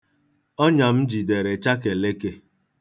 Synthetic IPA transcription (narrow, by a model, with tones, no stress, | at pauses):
ɔ˦ɲa˨m̩˦d͡ʒi˨de˨ɾe˨t͡ʃa˦ke˨le˦ke˦